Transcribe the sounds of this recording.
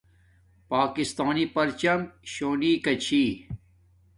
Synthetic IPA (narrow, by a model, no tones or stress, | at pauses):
paːkist̪aːnipɐɾt͡ɕɐmɕoːniːkɐt͡ɕʰiː